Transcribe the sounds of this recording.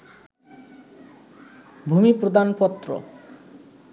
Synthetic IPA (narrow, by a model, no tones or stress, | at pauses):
bʱumipɾod̪anpɔt̪ːɾo̰